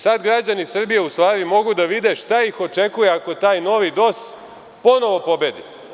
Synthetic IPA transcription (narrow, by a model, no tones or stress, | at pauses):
sad̪ɡɾad͡ʑanisr̩bije̞ust̪ʋaːɾimo̞ɡud̪aʋid̪e̞ʃt̪aixo̞t͡ʃe̞kuje̞ako̞t̪aːjno̞ʋid̪o̞s | po̞no̞ʋo̞po̞bed̪i